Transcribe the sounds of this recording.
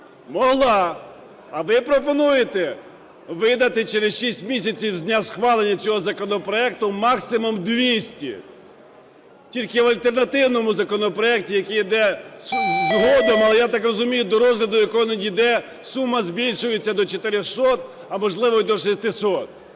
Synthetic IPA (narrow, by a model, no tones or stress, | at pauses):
mɔɦlˠɑ | ɐʋɪpɾɔpɔnujet̪ɛ | ʋɪd̪ɐt̪ɪt͡ʃeɾesʃisʲtʲmʲisʲɐt͡sʲiwzʲnʲasxʋɑlˠenʲːɐt͡sʲɔɦɔzɐkɔnɔpɾɔɛk̚t̪ʊmɑksɪmɔmd̪ʋʲisʲtʲḭ | tʲilʲkɪʋɐlʲt̪ernɐt̪ɪwnɔmʊzɐkɔnɔpɾɔɛk̚tʲijɐkijid̪ɛ | zɦɔd̪ɔmɐlˠɛjat̪ɑkrɔzʊmʲijʊd̪ɔɾɔzlʲɐd̪ʊjɐkɔɦɔnɐnid̪ɛ | sumːɐzʲbʲilʲʃʊjɪt͡sʲːɐd̪ɔt͡ʃet̪ɪɾɪxsɔt̪̚ | ɐmɔʒlˠɪʋɔd̪ɔʃesʲt̪ɪsɔt̪̚